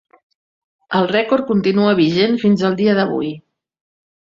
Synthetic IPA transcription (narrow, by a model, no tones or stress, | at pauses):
əlˠrɛkoɾ̚kunt̪inuəβ̞iʒenfinzəlˠd̪iəðəβṵj